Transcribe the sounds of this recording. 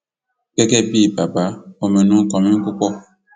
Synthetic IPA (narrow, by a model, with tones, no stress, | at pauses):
kɛ˦kɛ˦bi˦˨ba˨ba˨˦o˨mɛ˨nũ˦kɔ˨mĩ˦ŋ˦ku˦kɔ˦